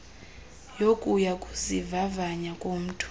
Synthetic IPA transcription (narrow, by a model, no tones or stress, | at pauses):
jokʼujakʼuzivavaɲakʼom̩tʰʼu̥